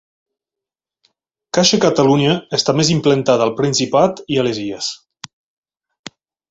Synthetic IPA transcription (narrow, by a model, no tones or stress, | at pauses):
kaʃekat̪aluɲaːst̪amezimplent̪aðalˠpɾinsipat̪ialezies